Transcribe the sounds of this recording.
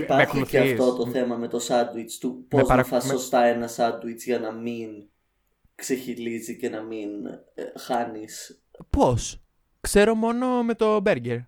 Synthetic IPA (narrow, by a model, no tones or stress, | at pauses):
ipɐɐçoiuceɐft̪o̞t̪oθe̞mɐme̞t̪o̞sɐd̪wit͡st̪upoezɐɐfɐsost̪ɐe̞nɐsɐd̪wit͡sʝɐnɐmin | kse̞çilizice̞nɐmin | xɐnis | po̞s | kse̞ɾomo̞no̞me̞t̪o̞be̞ɾɟeɾ